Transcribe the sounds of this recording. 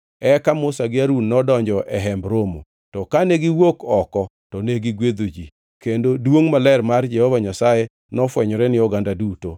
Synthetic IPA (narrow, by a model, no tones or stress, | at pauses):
ɛkamʊsaɡɪaɾunːɔdɔɲd͡ʒɔʔɛɦɛmbɾomo̰ | tɔkaneɡɪwokɔkɔ | tɔneɡiɡwed̪od͡ʒi | kendodwoŋmalɛrmard͡ʒɛhovaɲasaje | nɔfwɛɲɔɾɛnɪɔɡandaduto